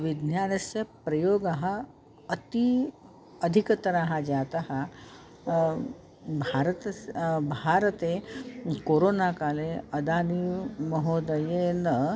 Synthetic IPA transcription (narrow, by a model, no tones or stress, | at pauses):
ʋid̪njaːnɐsjɐpɾɐjoːɡaɦa | ɐt̪i | əd̪ʱikət̪ɐɾaɦad͡ʒat̪aɦa | bʱaɾt̪bʱaɾət̪ekoɾonakaleɐd̪aːnimɐɦod̪əjenə